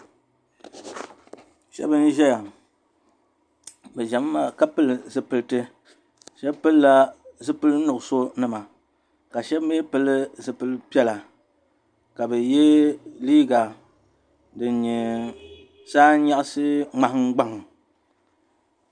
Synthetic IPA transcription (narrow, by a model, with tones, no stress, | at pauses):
ʃɛ̰˦bɨ˦n̩˦ʒɛ˦ja˨ | bɛ˨ʒa˨m˦ma˨ka˦pɨ˦lɨ˨zɨ˦pɨ˨lɨ˨tɨ˦ | ʃɛ˦bpɨ˦lla˦zɨ˦pɨ˦lnʊ˨ʔʊ˨so˦nɨ˦ma˨ | ka˨ʃɛ˦bme˦pɨ˨lɨ˦zɨ˨pɨ˨lɨ˦pi˦ɛ˦la˨ | ka˨bɛ˨jɛ˦liː˦ɡa˨ | dɨ˨n˦ɲɛ˨ | saː˦ɲa˦ʔsɨ˦ŋ͡ma˦hŋ˦ɡ͡ba˦ŋ˨